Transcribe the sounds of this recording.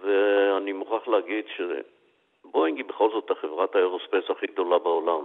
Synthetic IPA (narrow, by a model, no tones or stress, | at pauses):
veanimuχaχleaɡid̪ʃe | boinɡibeχo̞lzo̞t̪aχevʁat̪haeʁospesaχiɡd̪o̞labaolam